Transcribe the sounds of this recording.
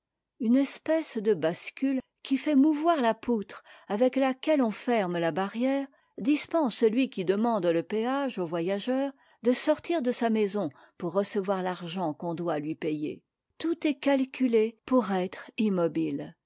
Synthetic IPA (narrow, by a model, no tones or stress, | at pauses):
ynɛspɛsd̪əbaskʲyl | kʲifɛmuvwaʁlaput̪χavɛklakʲɛlɔ̃fɛʁmlabaʁjɛːʁ | d̪ispɑ̃ssəlɥikʲid̪əmɑ̃d̪ləpeaʒovwajaʒœːʁ | d̪əsɔʁt̪iʁd̪əsamɛzɔ̃ | puʁːəsəvwaʁlaʁʒɑ̃kɔ̃d̪walɥipejḛ | t̪ut̪ɛkalkʲʰylepuʁɛt̪χimɔbil